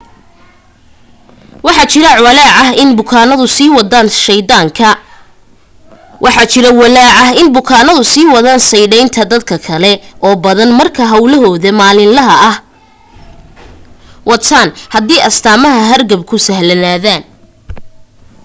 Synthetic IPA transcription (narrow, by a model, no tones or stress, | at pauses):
wɑħɑt͡ʃɪɾɐʕwɐlaːʕɑɦɪnbʊkʰaːnɐðʊsiːwɑd̪aːnʃɛjd̪aːŋkʰɐ | wʔɑħɑt͡ʃɪɾɐwɑlaːʕɑɦɪnbʊkʰaːnɐðʊsiːwɑðaːnsɐjɽɛjnt̪ʰɐd̪ɐd̪kʰɐkʰɐlɛʔɔːbɐðɐnmɐrkʰɐɦɐwlɐɦɔːðɐmaːlɪnlɐɦɐɐh | wɑt̪ʰaːnhɐd̪iːʔɐst̪ʰaːmɐɦɐɦɐrɡɐb̚kʰʊsɐhlɐnaːðaːn